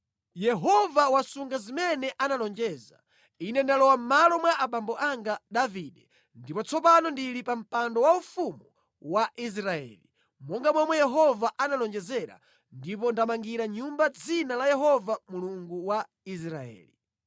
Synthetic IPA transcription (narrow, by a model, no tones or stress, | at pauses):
jɛɦɔvawasuŋɡazimɛnɛʔanalɔnd͡ʒɛza̰ | inɛndalɔwam̩malɔmwaʔaɓambɔʔaŋɡaɗaviɗɛ | ndipɔt͡sɔpanɔndiɾipam̩pandɔwaufumu | waʔis̬ɾaɛ̰li | mɔŋɡamwɛmwɛjɛɦɔvaʔanalɔnd͡ʒɛzɛɾa̰ | ndip̬ɔndamaŋɡiɾaɲumbad͡zinalajɛɦɔvamuluŋɡuwa | is̬ɾaɛ̰ːli